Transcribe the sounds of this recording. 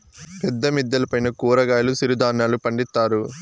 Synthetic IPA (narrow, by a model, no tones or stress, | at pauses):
pɛd̪ːɐmid̪ːɐlɐpɐjnɐkuːɾɐɡaːjɐlusiɾud̪aːnːaːlupɐɳɖist̪ːaːɾu